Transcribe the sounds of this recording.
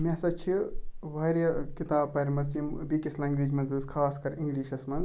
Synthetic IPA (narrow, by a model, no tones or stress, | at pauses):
mesɐt͡ʃʰiʋɐɾjɐkit̪aːbpɐɾʲmɐsimbikislaĩŋɡɾiːd͡ʒmɐnzɨːskʰaːskɐɾiŋɡliːʃɐsmɐnz